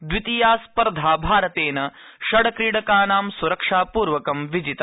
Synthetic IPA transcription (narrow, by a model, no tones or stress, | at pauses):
d̪ʋit̪ijaːspɐɾd̪ʱaːbʱaːɾɐt̪eːnɐʃɐɽɐkɾiːɽɐkaːnaːmsuɾɐkʂaːpuːɾʋɐkɐmʋid͡ʒit̪